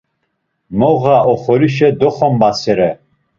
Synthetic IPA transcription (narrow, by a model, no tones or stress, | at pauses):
mɔɣaʔɔχɔliʃɛd̪ɔχɔmbasɛɾɛ